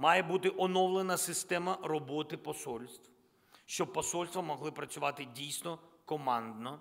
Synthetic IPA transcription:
mɑjɛbut̪ɪʔɔnɔwlˠenɐsɪst̪ɛmɐɾɔbɔt̪ɪpɔsɔlʲst̪ʋ | ʃt͡ʃɔb̚pːɔsɔlʲst̪ʋɐmɔɦlˠɪpɾɐsʲʊʋɑt̪ɪdʲijsnɔkɔmɑnd̪nɔ

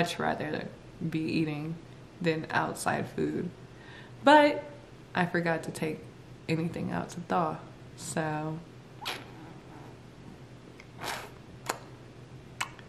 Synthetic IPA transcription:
ʌt͡ʃɹæ̰ðə˞ɨ̰ | biʔiɾɪ̃ŋ | ðɨ̃na̰ʊtsa̰ɪd̥fʉd̚ | b̥ʌt̚ | ʔaɪfə˞ɡɑtʰɨtʰeɪk | ʔɛniθɪ̰̃ŋa̰ʊtʰəθɔ | soʊ

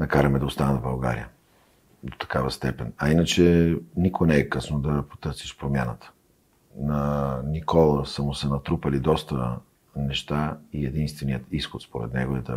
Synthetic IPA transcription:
nɐkaɾəmɛd̪ɐost̪anɛvbɐlˠɡa̰ɾḭə | d̪o̥t̪ɐ̥kavəst̪ɛpɛnɐinət͡ʃɛnikʊɛnɛɛkɤsnod̪ɐpo̥t̪ɤɾsi̥ʃpɾomjanət̪ə̥ | nɐnikɔlˠəsəmʊsɛnɐt̪ɾupəlid̪ɔst̪ə | nɛʃt̪aiɛd̪inst̪vɛnijət̪isxot̪spoɾɛ̰t̪nɛɡoɛd̪ə

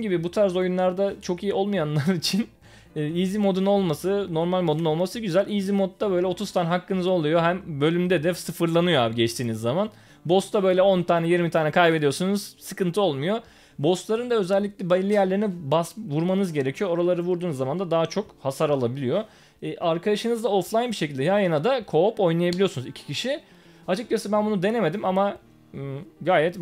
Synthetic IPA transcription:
nɟibibut̪ʰaɾz̬o̞junlˠaɾd̪at͡ʃʰo̞kijio̞lˠmujanlˠaɾit͡ʃʰinː | iːzimo̞d̪uno̞lˠmasɯno̞ɾmalʲmo̞d̪uno̞lˠmasɯɟyzælʲizimo̞t̪̚d̪abøjlʲɛo̞t̪ʰuz̥t̪ʰaːnɛɦakːɯnɯzo̞lˠujo̞ɦæmbø̞lʲymd̪ɛd̪ɛsɯfɯɾlˠanɯjo̞a̰ːbiɟɛt͡ʃt̪ʰiːnizːaman | bo̞st̪ʰabø̞jlʲɛo̞nt̪ʰaːnɛjiɾmit̪ʰaːnɛkʰajbe̞d̪ijo̞sunuz̥sɯkɯnt̪ʰɯo̞lˠmujo̞ | bo̞st̪lˠaɾɯnd̪aø̞zɛlʲːiclʲɛbalʲːijæɾlʲe̞ɾinibasvuɾmanɯzɟe̞ɾecʰijoo̞ɾalˠaɾɯvuɾd̪uːnzːamand̪ad̪aɦat͡ʃʰo̞khasaɾalˠabilʲijo̞ | ɛʔaɾkʰad̪aʃɯnɯzd̪aoflˠajnbiʃecʰilʲd̪ɛjajanad̪akʰo̞po̞jnˠajabilʲijo̞sunuzicʰi̥cʰiʃi | at͡ʃɯk̚t͡ʃasɛbænbunud̪e̞neme̞d̪imama | ɡaːjɛt̪

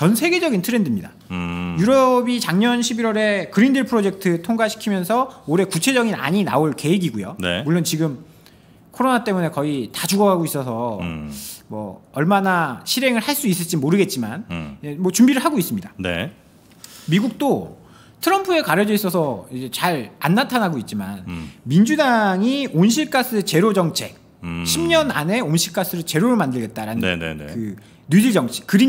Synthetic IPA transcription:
t͡ɕʌnsʰe̞ɡe̞d͡ʑʌɡintʰɯɾendɯmɲida | juɾʌbit͡ɕaŋɲʌnɕʰibiɾwʌɾe̞kɯɾindɯɭpʰɯɾod͡ʑe̞k̚tʰɯtʰoŋɡaɕʰi̥kʰimjʌnsʰʌoɾe̞kut͡ɕʰe̞d͡ʑʌɡina̰ɲina̰oɭke̞eɡiɡujo̰nḛmuɭːont͡ɕiɡɯm | kʰoɾonat͈e̞mune̞kʌitad͡ʑuɡʌɡɦaɡois͈ʌsʰʌ | mwʌ̰ʌɭmanaɕʰiɾe̞ŋɯɭhaɭs͈uis̬͈ɯɭt͡ɕ͈imoɾɯɡe̞t̚t͡ɕ͈imanemwʌt͡ɕumbiɾɯɭɦaɡois͈ɯmɲidanḛ | miɡuk̚t͈o | tʰɯɾʌmpʰue̞kaɾjʌd͡ʑʌis͈ʌsʰʌid͡ʑe̞t͡ɕaɾanːantʰanɦaɡoit̚t͡ɕ͈imanmind͡ʑudaŋionɕʰiɭk͈as͈ɯet͡ɕe̞ɾod͡ʑʌŋt͡ɕʰe̞k̚ | ɕʰimɲʌna̰ne̞onɕʰiɭk͈as͈ʰɯɾɯt͡ɕe̞ɾoɾɯɭmandɯɭɡe̞t̚t͈aɾanɯnn̰kɯ | nud͡ʑiɭd͡ʑʌŋt͡ɕʰi̥kɯɾi

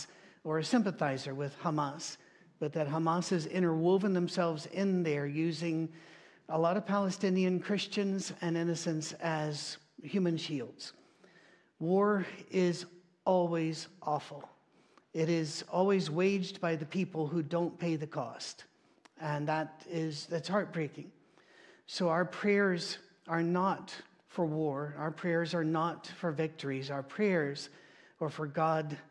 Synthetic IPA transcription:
ə˞ɨsɪ̃mpɨθaɪzə˞wɪð̥həmɑs | b̥ʌt̪̚ðɨt̚ɦəmɑsɨzɪ̃ɾ̃ə˞woʊvɪ̃ŋðə̃msɛlˠvzɪ̃nðə˞jʉzɪ̃ŋ | əlɔɾʌv̥pʰælˠəstɪ̃niɨ̃nkʰɹ̥ɪst͡ʃɨ̃nzɨ̃nɪ̃nɨsɨ̃nsɨz̥ | hjʉmɨ̃nʃilˠdz̥ | wɔɹɪz | ʔɔlˠwizʔɔfl̩ˠ | ɪɾɪzɔlˠwizweɪd͡ʒbaɪðɨpʰipl̩ˠɦudõʊ̃npʰeɪðɨkʰɔ̰st | ɨ̃nðəɾɪzɨtshɑɹt̚b̥ɹeɪkɪ̃ŋ | soʊaʊə˞pʰɹ̥ɛɹz | ə˞nət | fə˞wɔɹaʊə˞pʰɹ̥ɛɹzə˞nətfə˞vɪk̚tʰə˞izaə˞pʰɹ̥ɛɹzə˞fə˞ɡɑd

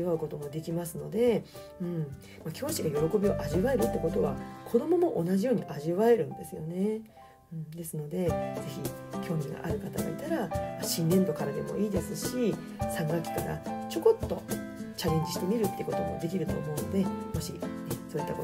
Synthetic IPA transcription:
iβaɯ̟ko̞t̪o̞mo̞d̪e̞kʲimasɨno̞d̪e̞ | ɯ̟̃ːɴ | makʲʰo̞ːɕiɡajo̞ɾo̞ko̞bʲio̞ʔaʑiβae̞ɾɯ̟t̪ːeko̞t̪o̞βa̰kʰo̞d̪o̞mo̞mo̞ʔonaʑijo̞ːɲ̟iʔaʑiβae̞ɾɯ̟̃nd̪e̞sɨjo̞ne̞ | ɯ̟̃ɴd̪e̞sɨno̞d̪e̞d͡ze̞çikʲo̞ːmʲiɡa̰ʔaɾɯ̟kat̪aɡa̰it̪aɾamaɕĩnd̪ẽ̞nd̪o̞kaɾad̪e̞mo̞̰ʔiːd̪esɨɕi | sãŋɡakʲi̥kaɾa̰t͡ɕo̞ko̞t̪ːo̞ | t͡ɕaɾẽ̞ɲ̟d͡ʑiɕi̥t̪e̞mʲiɾɯ̟t̪ːeiɯ̟ko̞t̪o̞mo̞̰d̪e̞k̬ʲiɾɯ̟t̪o̞̰ːmo̞ɯno̞d̪emo̞ɕḭso̞ːit̪ːa̰o

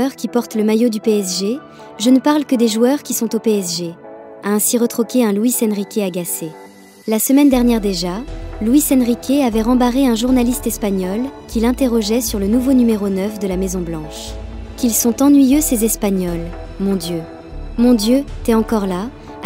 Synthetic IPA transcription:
ʁkʲipɔʁt̪ləmajod̪ypeɛsʒe | ʒənəpaʁlkəd̪eʒuœʁkʲisɔ̃t̪opeɛsʒe | aɛ̃siʁət̪χɔkʲeɛ̃lwisɛnʁikʲeaɡase | lasəmɛnd̪ɛʁnjɛʁd̪eʒalwisɛnʁikʲeavɛʁɑ̃baʁeɛ̃ʒuʁnalist̪ɛspaɲɔlkʲʰilɛ̃t̪eʁɔʒɛsyʁlənuvonymeʁonœfd̪əlamezɔ̃blɑ̃ʃkʲilsɔ̃t̪ɑ̃nɥijøsezɛspaɲɔlmɔ̃d̪jø | mɔ̃d̪jøt̪ɛɑ̃kɔʁla

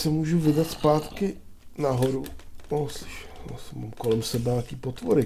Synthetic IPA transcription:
sɛmuːʒuvɪdat̪spaːt̪kɪ | naɦoɾunoslɪ̥ʃɛ̥asma̰ːmkolɛmsɛbɛɲakiːpot̪voɾɪ

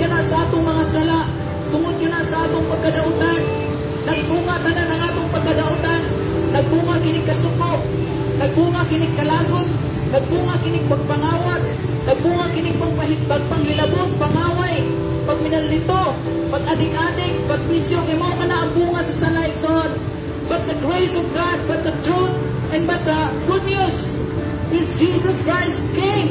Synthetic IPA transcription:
kanasɐʔaːt̪ʊŋmɐŋasɐlaʔ | t̪ʊŋʊd̪̚kanasɐʔaːt̪ʊŋpɐɡ̚kɐd̪aʔʊt̪anː | ɐɡ̚buːŋat̪ananɐŋaːt̪ʊŋpɐɡ̚kɐd̪aʔʊt̪anː | ɐɡ̚buŋakɪnɪɡ̚kːɐsʊkoʔ̚ | nɐɡ̚buŋakɪnɪɡ̚kːɐlaːɡʊn | nɐɡ̚buːŋakɪnɪɡ̚pɐɡ̚paŋaːwat̪̚ | nɐɡ̚buːŋakɪnɪɡ̚pɐɡpaɦɪpɐɡ̚paŋhɪlɐboŋpaŋaːwaj | pɐɡ̚mɪnalːɪt̪o | pɐɡ̚ʔad̪ɪŋaːd̪ɪŋpɐɡ̚bɪsjoŋɪmawŋɐnaʔɐmbuːŋasɐsalaɪksoon | bat̪̚d̪ɐɡɹejsɔvɡad̪̚bat̪̚d̪ɐt̪ɾot̪ | ʔɛnbat̪̚d̪ɐɡʊnjos | pɪsd͡ʒisɐskɹajskem

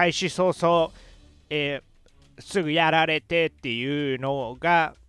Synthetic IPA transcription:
aiɕiso̞ːso̞ː | e | sɨɡɯ̟jaɾaɾe̞t̪e̞t̪ːe̞jɯ̟ːno̞ɡa

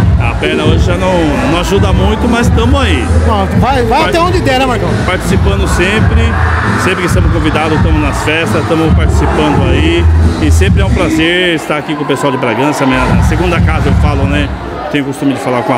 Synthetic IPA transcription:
a̰peɾnɐoʒɪʒanɐ̃w̃nɐ̃w̃aʒud̪ɐmũj̃t̪ʊmɐzst̪ɐ̃mʊzaia | vajvajatɛ̃õd͡ʒɪd̪ɛnɛmaɾk̪ɐ̃w̃paɾt͡ʃi̥sipɐ̃nd̪ʊsẽpɾɪ | sẽpɾɪkɪst̪ɐ̃mʊskõvid̪ad̪ʊt̪ɐ̃mʊznɐsfɛst̪ɐst̪ɐ̃mʊpaɾt͡ʃi̥sipɐ̃nd̪ʊaiɪsẽmpɾɪɛũpɾazeɾɪst̪aɾakikõpesuawd͡ʒɪbɾaɡɐ̃sɐmĩɲɐseɡũnd̪ɐkazɐewfalʊnɛ | t̪ẽɲjʊkost̪ũmɪd͡ʒɪfalaɾkõa

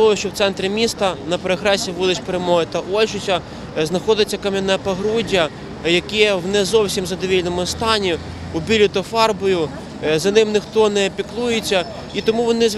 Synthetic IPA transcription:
ɔʊʃt͡ʃɔwt̪sɛnt̪ɾʲɪmʲist̪ɐnɐpɾɔɦɾɛsʲiʋulˠɪt͡ʃpeɾemɔɦɪt̪ɐʔɔlʲt͡ʃʊt͡ʃʲɐ | znɐxɔd̪ɪt͡sʲːɐkɐmʲɪnɛpɐɦɾudʲːɐ | jɐkɛɛwnɛzɔwsʲimzɐd̪ɔʋʲilʲnɔmʊst̪ɑnʲi | ʊbʲilʲʊt̪ɔfɑrbɔjʊ | zɐnɪmnɪxt̪ɔnɛpʲiklˠujet͡sʲːɐ | it̪ɔmuʋɔnɪz

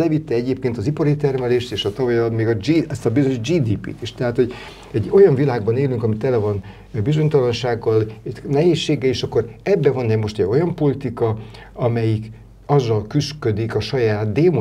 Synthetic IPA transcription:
lɛvit̪ːɛɛɟeːp̚keːnt̪ɒzipɒɾit̪ɛrmɛleːʃt̪eːʃɒt̪ɒvɒjt̪meːɡɒd͡ʒiɛst̪ɒbizøɲoʒd͡ʒiːd̪iːpḭːt̪iʃt̪ɛɦaːt̪ho̞ɟ | ɛɟo̞jɒɱvilaːɡ̚bɒneːlyŋkɒmit̪ɛlɛvɒn | bizo̞ɲt̪ɒlɒnʃaːɡːɒlnɛɦeːʃːeːɡɛiːʃɒkːo̞ɾɛbːɛvɒnːɛmo̞ʃt̪ɛɟo̞jɒmpo̞lit̪ikɒ | ɒmɛjik | ɒzːɒlkyskød̪ikɒʃɒjaːt̪̚d̪eːmo

